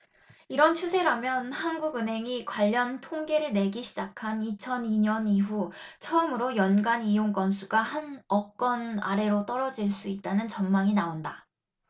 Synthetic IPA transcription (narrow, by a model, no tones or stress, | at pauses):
iɾʌnt͡ɕʰusʰe̞ɾamjʌnhanɡuɡɯnɦe̞ŋikwaʎːʌntʰoŋɡe̞ɾɯɭne̞ɡiɕʰid͡ʑakʰanit͡ɕʰʌniɲʌniɦut͡ɕʰʌɯmɯɾojʌnɡanijoŋk͈ʌnsʰuɡahanʌk͈ʌna̰ɾe̞ɾot͈ʌɾʌd͡ʑiɭs͈uit̚t͈anɯnt͡ɕʌnmaŋinaonda